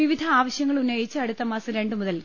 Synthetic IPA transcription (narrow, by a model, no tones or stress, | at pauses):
iʋid̪ʱɐaːʋɐɕjɐŋːɐɭunːɐjit͡ɕːɨɐɽut̪ːɐmaːsɐɾe̞ɳɖɨmuðɐl